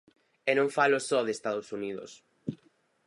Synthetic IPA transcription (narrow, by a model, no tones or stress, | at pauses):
ɛnõŋfalʊsɔðeːst̪aðosuniðʊ̰s